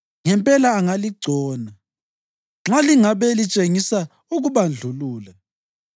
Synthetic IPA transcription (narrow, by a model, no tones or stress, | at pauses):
ŋɛmpʼɛlaːŋaliɡ͡ǀʱɔːna | ŋ͡ǁaliŋaβɛlit͡ʃʼeŋisa | uɣuβand͡ɮʱuluːlɛ